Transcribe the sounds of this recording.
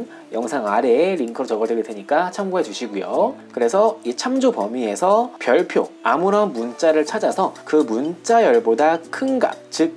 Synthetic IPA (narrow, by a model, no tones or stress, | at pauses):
n | jʌŋsʰaŋaɾe̞ːɾiŋkʰɯɾot͡ɕʌɡʌdweɡedweɲik͈at͡ɕʰamɡoɦe̞d͡ʑuɕʰiɡujokɯɾe̞sʰʌit͡ɕʰamd͡ʑopʌmie̞sʰʌpjʌɭpʰjo̰a̰muɾʌnmunt͡ɕ͈aɾɯɭt͡ɕʰad͡ʑasʰʌkɯmunt͡ɕ͈ajʌɭbodakʰɯnɡa̰p̚t͡ɕɯk̚